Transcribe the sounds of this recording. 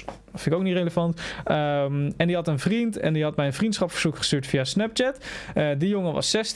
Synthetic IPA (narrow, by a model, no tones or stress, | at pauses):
fɪnɪkowknitreləvɑntəɛndiɦɑtənvrintɛ̰ndiɦɑtmɛjənvrintsχɑpfəɹz̥ukχə̥styːɹtfiasnɛp̚t͡ʃɛtdijoŋəʋɑ̰sːɛst